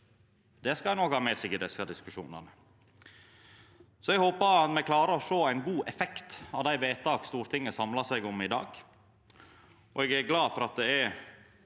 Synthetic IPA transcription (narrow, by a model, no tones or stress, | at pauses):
d̪̥ɛskɑnɔkhɑːmɛsɪɡəd̪ɛskɑd̪ɪskʉʂṵːnə̰nə | sɔɛɡhoːpəɾɑt̪mɛkʰlɑːɾəɾɔʂoːæɪnɡuːʔɛfɛkt̪ɑʋd̪æɪʋeːt̪ʰɑːkst̪uːɾt̪ʰɪŋːəsɑmlɑsɛɡɔmɪd̪ɑ̰ːɡ̥ | ɔ̰ɛɡæɾɡlɑːfɔɾɑt̪̚d̪ɛæɾ